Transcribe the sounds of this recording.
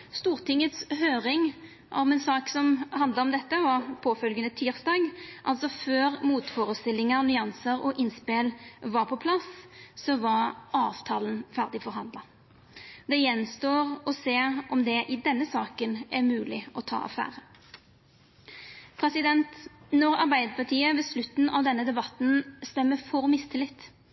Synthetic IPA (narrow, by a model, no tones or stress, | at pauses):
st̪uːʁt̪ʰɪŋːət̪shøːʁɪŋ | ɔmɛnsɑːksɔmhɑnd̪ləʁɔmd̪ɛt̪ːəʋɑʁpʰoːfœlɡənət̪ʰiːʁsd̪ɑːɡʔɑlsɔføːʁmuːt̪fɔːɾəst̪ɪlɪŋənʏɑnsəɾɔʔɪnspeːlʋɑʁpʰɔpʰlɑssɔʋɑʁʔɑːʋt̪ʰɑːlənfæʁd̪ɪfɔʁɦɑnd̪lɑ | d̪ɛjɛnst̪oːʁɔseːʁʔɔmd̪ɛʔɪd̪ɛnːəsɑːkənʔɛʁmʉːlɪɔt̪ʰɑ̰ːɑ̰fæ̰ːʁə | pʰʁɛsɪd̪ɛnt̪nɔʁɑʁbæɪd̪əpʰɑt̪ʰiːəʋɛslʉt̪ːn̩ʔɑʋd̪ɛnːəd̪ɛbɑt̪n̩st̪ɛmːəfɔʁmɪst̪ʰɪlɪt̪ː